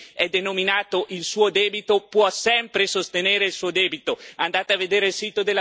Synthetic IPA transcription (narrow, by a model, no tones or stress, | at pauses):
ɛd̪enominaːt̪oʔilsuːod̪ɛːbit̪opwɔsɛmpɾesost̪eneːɾeilsuːod̪ɛːbit̪oand̪aːt̪eavːed̪eːɾeilsiːt̪od̪elːa